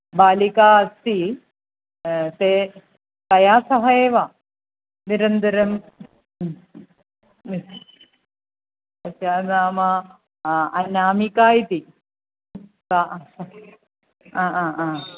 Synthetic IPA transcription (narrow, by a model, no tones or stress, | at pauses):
baːlikaːɐst̪i | t̪eː | k̪ɐjaːsɐɦɐjeːʋaː | niɾɐnd̪ɐɾɐm | ɐsjaːnaːmɐ | ɐnːaːmikaːjit̪i | kaː | aːaːaː